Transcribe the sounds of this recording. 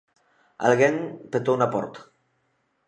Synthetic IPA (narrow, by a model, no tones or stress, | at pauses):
a̰lɣeŋpet̪onapɔ̰ɾt̪